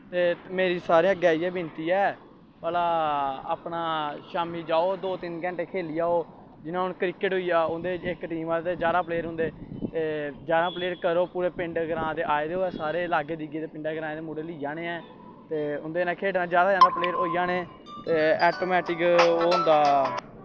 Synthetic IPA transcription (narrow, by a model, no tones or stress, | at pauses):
t̪eːmeːɾiːsaːɾẽəɡɛːiːɛːbɪnt̪iːɛː | pəlaːa̰ːpnaːʃaːmiːd͡ʒaːoːd̪oːt̪ɪnkɛ̃ːɳʈeːkʰeːlijaːoː | d͡ʒɪnãːʊnkɾɪkːəʈɦʊijaːʊnd̪eːɪkʈiːmaːt̪eːd͡ʒjaːd̪aːpleːɾʊ̃nd̪eːt̪eːd͡ʒaːd̪ãːpleːɾkəɾoːpuːɾeːpɪ̃ɳɖɡɾãːd̪eːʔaːeːd̪eːoːɛːsaːɾeːlaːɡeːd̪ɪɡeːd̪eːpɪɳɖaːɡɾãːd̪eːmuːɽeːliːjaːneːɛː | t̪eːʊnd̪eːnãːkʰeːʈnãːd͡ʒjaːd̪aːd͡ʒãːd̪aːpleːɾoːijãːneː | t̪eːɛːʈoːmɛːʈɪkoːɦʊ̃nd̪aː